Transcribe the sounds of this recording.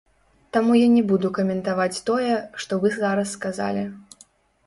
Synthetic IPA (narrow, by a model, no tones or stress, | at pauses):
t̪amujanʲɛbud̪ukɐmʲɛnt̪avat͡sʲt̪ɔjɛʂt̪ɔvɨzaɾɐsːkaza̰lʲi